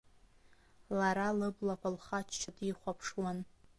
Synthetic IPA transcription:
laɾalɨblakʷʰalχat͡ʃʰt͡ʃʰadiχʷapʰʂwan

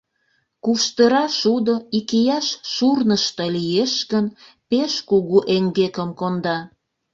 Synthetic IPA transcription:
kuʃt̪əɾɑʃud̪oikijɑʃʃurnəʃt̪əlijeʃɣən | peʃkuɣuʔeŋɡekəmkond̪ɑ

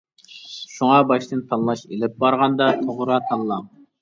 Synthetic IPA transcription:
ʃuŋɑbɑʃt̪ɨnt̪ʰɑnˠlˠɑʃelɪp̚bɑɾʁɑnd̪ɑt̪ʰoʁɾɑt̪ʰɑnlˠɑŋ

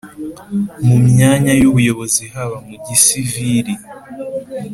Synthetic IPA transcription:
mumɲaːɲajuβujo̞βo̞zihaβamuɟisiviɾi

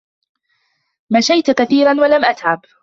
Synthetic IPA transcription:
maʃajt̪kaθiːɾanwalamʔat̪ʕab

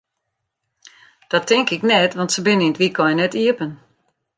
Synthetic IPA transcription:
d̥ɔtʰːɪŋkɪknɛtʋɔntsəbɪnəinətʋikʰɔjənɛtiəpən

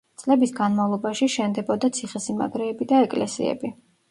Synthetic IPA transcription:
t̪sʼlɛbisɡanmavlˠɔbaʃiʃɛnd̪ɛbɔd̪at̪sʰiχɛsima̰ɡɾɛːbid̪aɛkʼlɛ̰sḭɛ̰bi

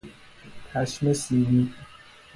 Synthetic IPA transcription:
t̪ʰæʃmesiːni

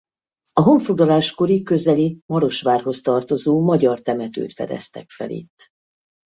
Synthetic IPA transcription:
ɒɦo̞ɱfoɡlɒlaːʃko̞ɾikø̞zɛlimɒɾo̞ʃʋaːrɦo̞st̪ɒrt̪o̞zoːmɒɟɒrt̪ɛmɛt̪ø̰ːt̪fɛ̰d̪ɛ̰st̪ɛ̰kfɛ̰lḭt̪ː

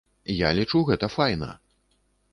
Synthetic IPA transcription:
jalʲit͡ʂuɣɛt̪ɐfajnɐ̰

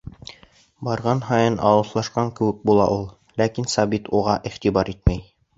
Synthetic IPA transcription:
bɑɾʁɑnɦɑjɤnʔɑ̰wɤ̆θlˠɑʃqɑŋkɘ̆wɘk̚bulˠɑʔulˠ | lækinsɑbit̪uʁɑʔiχt̪ibɑɾit̪mæj

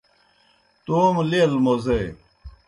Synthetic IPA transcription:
t̪oːmlilmoze

